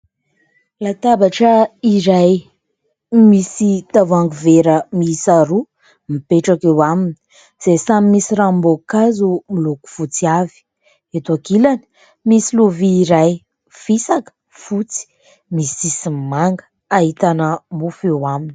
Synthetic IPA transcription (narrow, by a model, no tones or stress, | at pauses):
lat̪abaʈ͡ʂəiɾaj | misit̪avaŋɡuveɾəmisaɾu | mipeʈ͡ʂakewamini̥ | z̥esamimisiɾambokazumiluku̥fut͡siavi̥ | et̪akilani̥ | misiluviːɾaj | fisakə̥ | fut͡si̥ | misisimaŋɡə̥ | aɦit̪anəmufewamini